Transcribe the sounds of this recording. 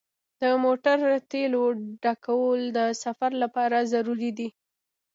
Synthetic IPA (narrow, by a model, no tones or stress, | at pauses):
d̪̥əmoʈaɾt̪eloɖakawəld̪əsafaɾlapɑɾazaɾuɾid̪i